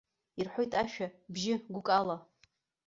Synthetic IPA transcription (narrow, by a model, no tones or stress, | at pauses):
irħʷojtʼaʃᶣabʒɪɡʷʊkʼala